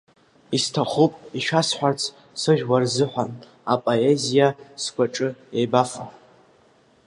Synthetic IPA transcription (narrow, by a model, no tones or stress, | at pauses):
istʰaχupʼiʃᶣasħʷᶣart͡sʰ | sɨʒᶣwarzɨħʷan | apʼoezijaskʷʰʼaʈ͡ʂʼɨjejbafa